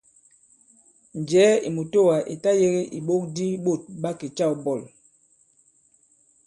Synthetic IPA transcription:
n˨d͡ʒɛː˨˦i˨mu˨to˦˨wa˨ʔḭ˨ta˦je˦ɣi˦ʔi˨ɓo˦k̚di˦ɓo˦˨t̚ɓa˦ki˨t͡ʃa˦˨bɔ˦˨l

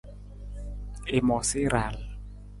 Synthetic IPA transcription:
e˨mɔ˨si˦ɾa˨l

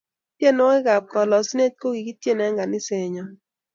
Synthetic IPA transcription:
pje˦˨no˦e˦ɡa˨p̚kɔ˨lɔ˨si˦ne˦t̚ko˦ɡi˨ki˦tje˦˨nɛ˨˦ŋɡa˨nɪ˦se˨ɲɔ˨

